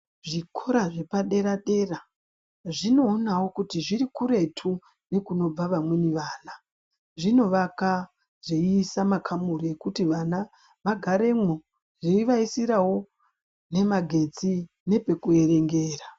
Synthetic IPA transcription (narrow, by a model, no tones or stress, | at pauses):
ʐikʰo̞ɾaʐe̞paɗe̞ɾaɗe̞ra | ʐino̞ːnawo̞kutiʐiɾikuɾe̞tʰu | ne̞kuno̞b͡vaʋamweniʋaːna | ʐino̞ʋaka | zeiːsamakʰamuɾie̞kutiʋana | ʋaɡʱaɾe̞mwo | ʐeiʋaisiɾawo̞ | ne̞maɡʱe̞t͡si | ne̞pe̞kue̞ɾe̞ŋɡe̞ːra